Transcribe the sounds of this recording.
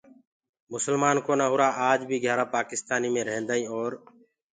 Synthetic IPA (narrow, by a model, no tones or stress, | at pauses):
mʊsəlmaːnkoːnãːɦʊɾaːʔaːd͡ʒbʱiːɡʱjaːɾaːpaːkɪst̪aːniːmẽːɾəɦẽːnd̪aːĩːoːɾ